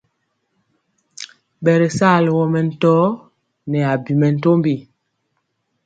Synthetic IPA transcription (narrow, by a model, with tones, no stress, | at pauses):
ɓɛ˨ɾe˨saː˦˨lwɔ˨mɛ˨n̩˨tɔː˦ | nɛ˨a˨bi˨mɛ˨n̩˦to˦mbi˨